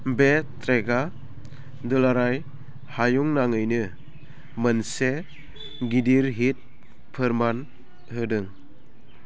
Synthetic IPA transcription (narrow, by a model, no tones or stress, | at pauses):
betɾeɡa | dɯlaɾaj | hajuŋnaŋɯjnɯ | mənse | ɡidiɾɦit̚ | pʰɯɾman | hɯdɯŋ